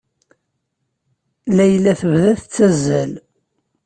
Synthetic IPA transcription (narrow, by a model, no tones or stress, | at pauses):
læjlːæθəvðæθt͡sːæzːæl